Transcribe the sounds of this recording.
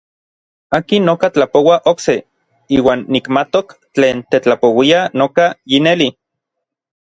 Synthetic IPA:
aːkinːokat͡ɬapowaʔokse | iːwaːnːikmat̪okt͡ɬeːnt̪et͡ɬapowianokajineli

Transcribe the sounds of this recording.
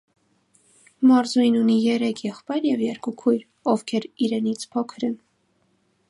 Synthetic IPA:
mɑɾzujnunijɛɾɛkʰjɛχpɑjɾjɛvjɛɾkukʰujɾ | ɔvkʰɛɾiɾɛnit͡sʰpʰɔkʰɾən

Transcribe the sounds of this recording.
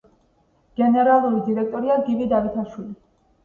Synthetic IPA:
ɡ̥ɛnɛɾalˠuɾid̪iɾɛk̚ʰt̪ʼɔɾiaɡivid̪avit̪ʰaʃwili

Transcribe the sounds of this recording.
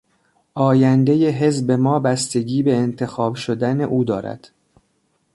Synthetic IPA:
ʔɒːjænd̪e̞jeɦe̞zbe̞mɒːbæst̪e̞ɟiːbe̞ːnt̪ʰe̞xɒːbʃod̪æne̞ʔuːd̪ɒːɾæ̰d̪̥

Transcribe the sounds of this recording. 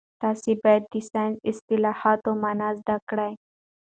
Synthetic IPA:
t̪ɑsibajd̪̚ɖɪsajnɪst̪ɪlɑhat̪omanazd̪akɽaj

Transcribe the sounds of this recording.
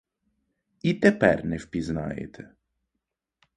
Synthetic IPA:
it̪ːɛpɛ̰ɾnefpizna̰ḛt̪ʰe

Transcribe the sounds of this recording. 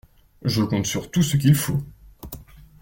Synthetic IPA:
ʒəkɔ̃t̪syʁt̪usək̬ʲilfo

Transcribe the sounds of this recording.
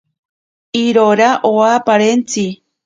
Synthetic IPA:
iɾoɾaʔoapaɾent͡si

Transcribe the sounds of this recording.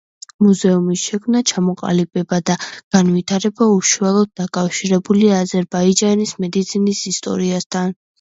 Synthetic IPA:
muzɛumisʃɛkʰmnat͡ʃʰamɔqʼa̰libɛbad̪aɡ̥anvit̪ʰaɾɛbauʃualˠɔd̪̚d̪akʼafʃiɾɛbuliːzɛɾbaid͡ʒanismɛd̪it̪sʰinisist̪ʼɔ̰ɾiast̪ʰan

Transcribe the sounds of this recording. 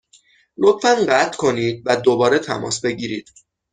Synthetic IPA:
lot̪fænɢæt̪ʰkʰo̞niːd̪̚væd̪o̞bɒːɾet̪ʰæ̰mɒ̰ːsbe̞ɟiːɾiːd̪̥

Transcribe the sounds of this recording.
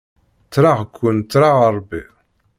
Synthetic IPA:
t͡sːɾaʁkʷːunt͡sːɾaʁəɾˤbḭ

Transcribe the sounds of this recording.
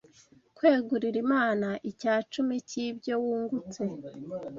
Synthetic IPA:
kweːɡuɾiɾimaːnaʔicaːt͡ʃumicibɟo̞wuːŋɡut͡se

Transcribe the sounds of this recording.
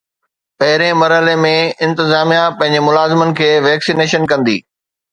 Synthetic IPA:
pɐɦɪɾẽmɐɾɦəlemẽɪ̃nt̪ɪzaːmijapɐ̃ɦɪ̃ɲd͡ʑemʊlaːzɪmənɪ̆kʰeːʋɛːksineːʃənkɐ̃nd̪ḭː

